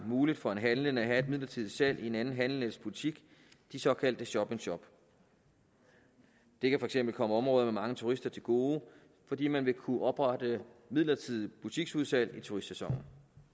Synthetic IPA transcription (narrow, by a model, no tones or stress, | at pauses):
muːlid̥fɒ̽e̝nɦænləŋæɦæe̝d̥̚mið̰ˠlɐt͡sʰiðˠisæl̰ie̝nænn̩ɦænlənespʰulit͡sʰiɡ̥ | d̥isɒ̽kʰæl̰d̥əɕɒ̽b̥e̝ŋɕɒ̽b̥ | d̥e̝kʰæfɒ̽eɡ̥semb̥l̩kʰɒ̽məɒ̽mʁɔ̽ːðˠɐmemɑ̈ŋət͡sʰuʁisd̥ɐt͡sʰe̝lɡ̥o̝ː | fɒ̽d̥ḭːmænʋe̝kʰuʔɒ̽b̥ʁɑ̈d̥əmið̰ˠlɐt͡sʰið̰ˠib̥ʰut͡sʰiɡ̥suð̞ˠsæl̰it͡sʰuʁisd̥sesɒ̽ŋ̰n̩